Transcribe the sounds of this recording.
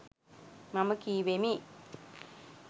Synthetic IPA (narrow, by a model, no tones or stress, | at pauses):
maməkiːʋemi